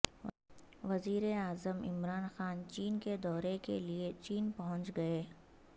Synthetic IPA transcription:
ʋɐziːɾeaːzəmɪ̰mɾaːnxaːnt͡ʃiːnked̪ɔːɾekḛliet͡ʃiːnpɐɦʊ̃ɲt͡ʃɡɐeː

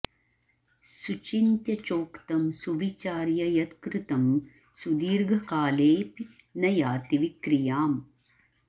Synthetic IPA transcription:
sut͡ʃint̪jɐt͡ʃoːkt̪ɐmsuʋit͡ʃaːɾjɐjɐt̪kɾɪt̪ɐm | sud̪iːɾɡʱɐkaːleːpinɐjaːt̪iʋikɾijaːm

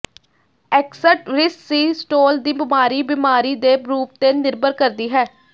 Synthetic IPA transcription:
ɛːksəʈɾɪsːiːsʈoːld̪iːbɪmaːɾiːbɪmaːɾiːd̪eːɾuːp̚t̪eːnɪɾbəɾkəɾd̪iːɦɛː

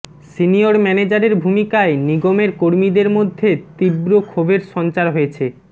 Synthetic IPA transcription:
sinioɾmɛned͡ʑaɾeɾbʱumikaeniɡomeɾkoɾmid̪eɾmod̪ʱːet̪ibɾokʰobeɾʃɔnt͡ɕaɾɦojet͡ɕʰe

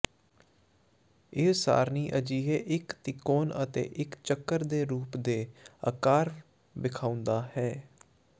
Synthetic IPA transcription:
ɪɦsa̰ːɾniːʔəd͡ʒiːɦeːʔɪkt̪ɪkːoːnət̪ḛːʔɪkt͡ʃəkːəɾd̪eːɾuːpd̪eːə̰kaːɾ | bɪkʰãːʊ̃nd̪aːhɛː

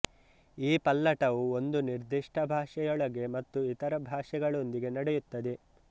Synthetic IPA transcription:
iːpɐlːɐʈɐʋuond̪uniɾd̪iʂʈʰɐbʱaːʂɛjɔɭɐɡe̞mɐt̪ːuit̪ɐɾɐbʱaːʂɛɡɐɭo̞nd̪iɡe̞nɐɽɛjut̪ːɐd̪e

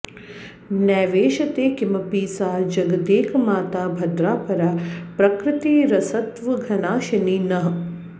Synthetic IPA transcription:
nɛːʋeːʃɐt̪eːkimɐpiːsaːd͡ʒɐɡɐd̪eːkʰmaːt̪aːbʱɐd̪ɾaːpɐɾaːpɾɐkɾɪt̪iːɾɐsɐt̪ʋɐɡʱɐnaːʃɐninɐɦ

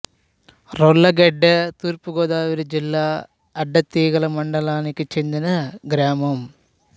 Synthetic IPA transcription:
rɔlːɐɡeɖːɐt̪uːɾpuɡoːd̪ðaːʋiɾud͡ʒilːaː | ɐɖːɐt̪ːiːɣɐɭɐmɐɳɖɐlaːnikʲːɨt͡ʃend̪inɐɡɾaːmɐm

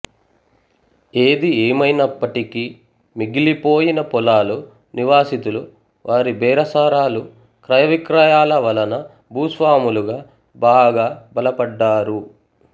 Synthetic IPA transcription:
eːd̪ieːmɐjnɐpːɐʈiki | miɡilipo̞ːjinɐpɔlaːlu | niʋaːsit̪ulu | ʋʔaːɾibɛːɾɐsaːɾaːlu | kɾɐjɐʋikɾajaːlɐʋɐlɐnɐ | bʱuːsʋaːmuluɡaː | baːɡaːbɐlɐpɐɖːaːɾu

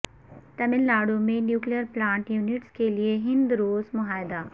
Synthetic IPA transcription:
t̪ɐmɪlːaːɽumẽnjuːklijəɾplãːɳʈjuːnɪʈskelieɦɪ̃nd̪ɾoːzmʊɦaːɪd̪aː

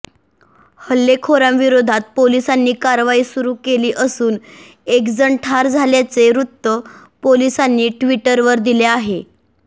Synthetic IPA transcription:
həlːekʰoɾãmʋiɾod̪ʱat̪̚polisanːiːkaɾʋaiːsuɾuːkeliːʔəsuːn | ekd͡zəɳʈʰaɾd͡zʱaljat͡seɾut̪ːə | polisanːiːʈʋiʈəɾʋəɾd̪ileaɦe

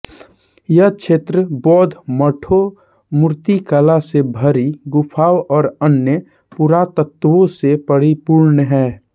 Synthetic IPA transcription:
jət͡ʃʰeːt̪ɾəbɔːd̪ʱməʈʰo | mʊɾt̪ikəlasebʱəɾiɡʊpʰaːwɔːɾənːjə | puɾat̪ət̪ːʋõsepəɽipuːɾnɦɛː

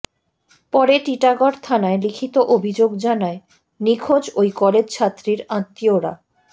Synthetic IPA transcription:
pɔɾeʈiʈaɡɔɾt̪ʰanaelikʰit̪oʔobʱid͡ʑoɡd͡ʑanae | nikʰod͡ʑojkɔled͡ʑt͡ɕʰat̪ːɾiɾãt̪ːioɾa̰

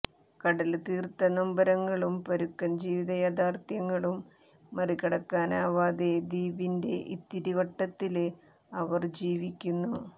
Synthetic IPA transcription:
kɐɽɐlt̪iːrt̪ɐnɐmbɐɾɐŋːɐɭumpɐɾukːɐnd͡ʑiːʋiðɐjaːd̪aːrt̪jɐŋːɐɭumː | ɐrikɐɽɐkːaːnaːʋaːd̪e̞d̪iːbinde̞̰ʔḭt̪ːiɾiʋɐʈːɐt̪ːil | ɐʋɐrd͡ʑiːʋikʲːunːu

